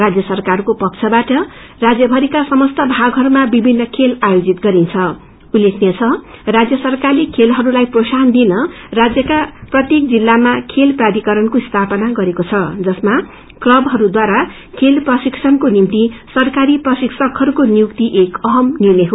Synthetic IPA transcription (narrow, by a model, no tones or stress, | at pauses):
rad͡zjʌsʌrkarkopʌk̚t͡sʰʌbaʈʌ | rad͡zjʌbʱʌɾikasʌmʌst̪ʌbʱaɡɦʌɾumabibʱinːʌkʰelajod͡zit̪̚ɡʌɾint͡sʰʌ | ulːekʰnet͡sʰʌrad͡zjʌsʌrkarlekʰelɦʌɾulajprosand̪inʌ | rad͡zjʌkaprʌt̪jek̚d͡zilːamakʰelprad̪ikʌɾʌnkoist̪ʰapʌnaɡʌɾekot͡sʰʌd͡zʌsma | klʌbɦʌɾud̪waɾa | kʰelprʌsiksʰʌnkonimt̪isʌrkaɾiprʌsiksʌkɦʌɾukonijukt̪iʔekʌɦʌmnirnejɦo